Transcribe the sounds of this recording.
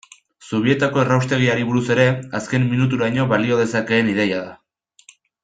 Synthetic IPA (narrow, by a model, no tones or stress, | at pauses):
soβ̞ie̞t̪ako̞erawst̪e̞ɣ̞iaɾiβuɾuse̞ɾe̞aske̞mːinut̪̬uɾajɲo̞βalio̞ð̞e̞sake̞ːniðe̞jaða